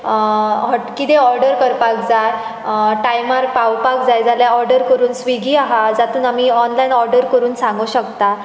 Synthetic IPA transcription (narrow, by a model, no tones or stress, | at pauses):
ɦɔkit̪eɔɾɖəɾkəɾpak̚d͡za | ʈajmaɾpawpakd͡zajd͡zaljaɔɾɖəɾkəɾuːnsʋiɡiːaɦad͡zat̪uːnamiɔnlainɔɾɖəɾkəɾuːnsãŋɡuɕəkt̪a